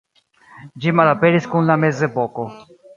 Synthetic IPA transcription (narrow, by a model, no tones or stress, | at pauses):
d͡ʒimalapeɾiskunlamezevoko